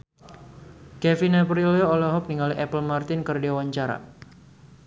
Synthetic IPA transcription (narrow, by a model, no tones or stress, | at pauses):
kɛfinɛpriloolɛɦɔk̚niŋaliʔɛpəlmart̪ɪnkərdewaɲt͡ʃaɾa̰